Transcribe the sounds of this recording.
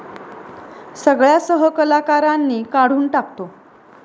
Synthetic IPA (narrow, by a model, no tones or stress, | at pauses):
səɡɭjasəɦəkəlakaɾanːiːkaɽ̤uːnʈakt̪o